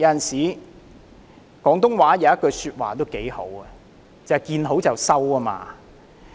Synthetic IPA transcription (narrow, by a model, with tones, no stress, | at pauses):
jɐ˨˧˥jɐ˨nsiː˨˩ | kɔː˨˥ŋt̪ʊ˥ŋwaː˨˥jɐ˨˦jɐ˥t̚kɵ˧syː˧t̚wa̰ː˨t̪o˥wke˨˥jho̰˨˥wɐ˨ | t͡sɐ˨kiː˧nɦo˨˥wt͡sɐ˨wsɐ˥wɐ˧ma̰ː˧